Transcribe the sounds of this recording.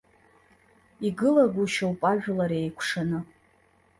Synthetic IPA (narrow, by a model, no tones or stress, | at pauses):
iɡɨlaɡʷuʃawpʼaʒᶣlaɾejkʷʰʂanɨ